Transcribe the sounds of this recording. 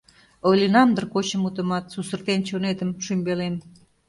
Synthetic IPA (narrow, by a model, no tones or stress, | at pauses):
olʲinɑmd̪ərkot͡ɕəmut̪ə̆mɑt̪susərt̪ent͡ɕonet̪əmʃymʲbelem